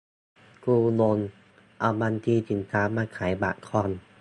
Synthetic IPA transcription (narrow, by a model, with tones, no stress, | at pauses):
kuː˧lo˧n | ʔa˧˩wba˧nt̪ʰiː˧˨t̪ʰi˨˦nt̪ʰaː˨˦˥maː˧kʰaː˨˩˦jba̰˨˧kʰɔ˧˨n